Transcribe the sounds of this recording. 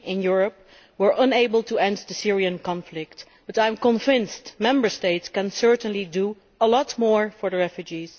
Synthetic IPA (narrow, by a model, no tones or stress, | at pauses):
ɪ̃njʊɹəp | wəɹʔə̃neɪbəlˠtʰuɛ̃ndðəsɪɹiə̃nkɑ̃nflɪk̚t | b̥ʌtãj̃mkə̃ɱvɪ̃nstmɛ̃mbə˞steɪtskə̃nsɜɹtə̃nlidu | əlɔtmɔɹfɔɹðəɹɛfjud͡ʒiz̥